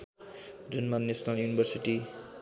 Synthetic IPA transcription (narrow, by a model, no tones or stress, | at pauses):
d͡zunmanːesnaljunibʱʌrsiʈi